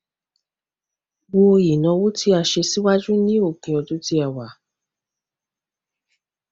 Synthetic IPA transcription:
wo˧i˨nã˧wo˦ti˦a˧˨ʃe˧si˦wa˦d͡ʒu˦nĩ˦o˦˨kĩ˨˧ɔ˧tũ˦ti˦a˨wa˨

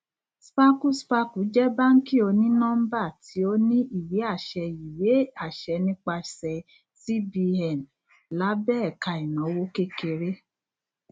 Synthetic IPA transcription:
spa˦ku˦spa˧ku˨˦d͡ʒɛ˦ba˦ŋ̩˦ki˦˨o˧nĩ˦nɔ̃˦m̩˦ba˦˨tʰi˨˦o˦nĩ˦ʔi˦˨wi˨˦a˦˨ʃɛ˧i˨we˨˦a˨ʃɛ˧nĩ˦k͡pa˧sɛ˧ | si˦bi˧ɛ˨n | la˨˦bɛ˦ɛ˦˨ka˧i˨nɔ̃˨˦wo˦ke˦ke˧ɾe˦

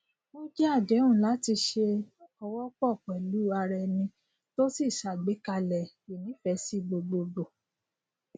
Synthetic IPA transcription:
mõ˦d͡ʒɛ˦a˦˨dɛ̃˨˦ũ˦˨la˨˦ti˧ʃe˧ɔ˧wɔ˦k͡pɔ˦˨k͡pɛ˨lu˨˦a˧ɾɛ˧nĩ˧ | to˦si˦˨ʃa˨ɡ͡be˨˦ka˧lɛ˨ | e˨nĩ˨˦fɛ˧˦si˦ɡ͡bo˧ɡ͡bo˧ɡ͡bo˨

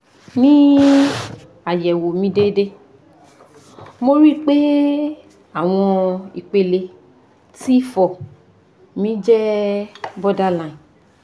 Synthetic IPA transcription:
nĩ˦ | a˨jɛ˨wo˨mĩ˧de˦de˦ | mo˧ɾi˦˨k͡pe˦ | a˦˨w̃ɔ̃˧i˨k͡pe˧le˧ | ti˦fɔ˨ | mĩ˨˦d͡ʒɛ˦ | bɔ˦da˦lã˨ĩ˨

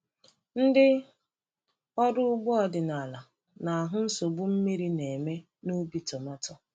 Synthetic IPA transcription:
n̩˦dɪ˦ | ɔ˦dʊ˦ʊ˦ɡ͡bʊ˦ɔ˨dɪ˨na˨la˨ | na˨a˨ɦʊ˦n̩˦so˨bʊ˦m̩˦mi˦ɾi˦ne˨me˦ | nu˦bi˦tɔ˨ma˦tɔ˦

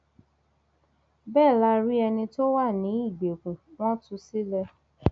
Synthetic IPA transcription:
bɛː˦˨la˦ɾi˦ɛ˧nĩ˧to˦wa˦˨nĩ˨˦i˦˨ɡ͡be˨kũ˨w̃ɔ̃˦tu˧si˦lɛ˧

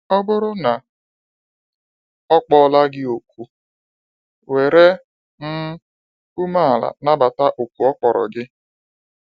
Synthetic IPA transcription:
ɔ˦bʊ˦ɾʊ˦na˨ | ɔ˦k͡pɔ˦la˦ɡɪ˦o˨k̚ʷu˦ | we˨ɾe˦ | n̩˦ | u˦ma˦a˨la̰˨na˦ba˨ta˦ʔo˨kʷu˨ɔ˦k͡pɔ˨ɾɔ̰˨ɡɪ˦

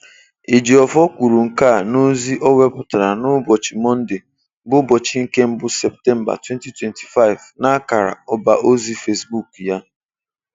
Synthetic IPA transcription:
e˨d͡ʒi˨ɔ˨fɔ˦kʷu˨ɾu˨ŋ̩˨ka˦˨no˦zi˦ʔɔ˦wɛ˦pʊ˨ta˨ɾa˨nʊ˦bɔ˨t͡ʃi˨mɔ˦n̩˦dɪ˨ | bʊ˦bɔ˨t͡ʃi˨˦ŋ̩˦ke˦m̩˦bʊ˦sɛ˨p̚tɛ˦m̩˦ba̰˨twɛ˦nti˦twɛ˨nti̥˨fa˦ɪ˨vna˦ka˨ɾa̰˨ɔ˦ba˨ʔo˦zi˦fe˦sbu˦˨kja˦

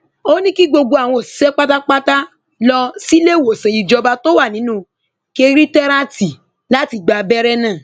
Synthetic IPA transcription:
o˦nĩ˦ki˦ɡ͡bo˧ɡo˧a˨w̃ɔ̃˧o˨si̥˨˦sɛ˦k͡pa˦ta˦k͡pa˦ta˦ | lɔ˧si˦le˦˨wo˨sã˨i˧d͡ʒɔ˧ba˧to˦wa˦˨nĩ˨˦nũ˦˧ | ke˧ɾi˦tɛ˦ɾa˦ti˨ | la˦ti˧ɡ͡ba˧bɛ˦ɾɛ˦nã˦˨

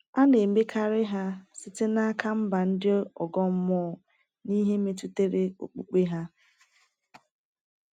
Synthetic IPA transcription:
a˦ne˨m̩˨˦be˦kʰa˦ɾɪ˦ɦa˦sɪ˨te˦na˦a˦kʰa˦m̩˦ba˨n̩˦dɪ˦ɔ˨ɡɔ˦m̩˦mɔː˦˨ | ni˦ɦe˦me˦tu˦te˦ɾe˦o̰˨k͡pṵ˨k͡pe˦ɦa˦

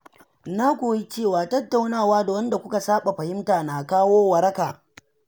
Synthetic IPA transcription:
na˦kʷoː˨ji˦t͡ʃeː˦˨waː˨tɐ˦tːa˨wnaː˦˨waː˦da˨wɐ˦nda˨kʷʊ˦ka˨saː˦ɓa˨ɸɐ˨hɪ˦mtaː˨na˨kaː˦woː˦wɐ˨ɾɐ˦kaː˨

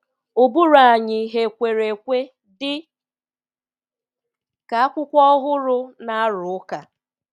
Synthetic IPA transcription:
ʊ˨bu˦ɾa˨ɲɪ˨ɦe˨kʷe˨ɾe˨kʷe˦ | dɪ˦ | ka˨a˦kʷʊ˦kʷɔ˦ɦʊ˦ɾʊ˦na˦a˦ɾʊ˨ʊ˦ka˨

